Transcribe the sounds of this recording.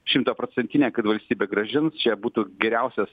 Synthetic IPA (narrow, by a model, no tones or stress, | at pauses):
ʃʲɪmt̪oːpɾoːt͡s̪ʲɛnʲt̪ʲɪnʲeːkɐt̪ʋɐlʲsʲt̪ʲiːbʲeːɡɾɐʒʲɪnst͡ʃʲɛbuːt̪uːɡʲɛɾʲæʊsʲɛs